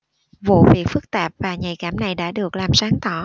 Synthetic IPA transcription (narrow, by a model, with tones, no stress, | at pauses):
vṵ˧˨vḭ˧˨əfɨ˦˥k̚t̪aː˨˩p̚vaː˨˩ɲa˨˩jkaː˧˩mna˨˩jɗa̰ː˧˥ɗɨ˨˩ək̚laː˨˩msaː˨˦ŋt̪ɔ˧˩